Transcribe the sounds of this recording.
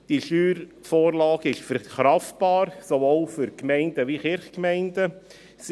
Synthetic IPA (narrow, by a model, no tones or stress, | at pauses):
d̥iʃyːɾ | foːɾlɑːɡ̥əɪʃfɛɾχɾɑftb̥ɑːɾsovolfʏɾkmɛɪndəʋiχɪɾχkmɛɪndə | s